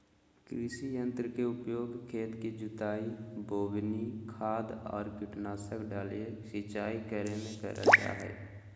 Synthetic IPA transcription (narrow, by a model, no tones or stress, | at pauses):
kɾisijə̃nt̪ɾəkeʊpjoːɡkʰeːt̪kid͡ʒʊt̪aːiboːbnikʰaːd̪ɔ̰ːɾkɪʈnaːsəkɖaːlesɪt͡ʃaːikəɾemẽkə̰ɾʔə̰t͡ʃa̰ɦɛ̰ː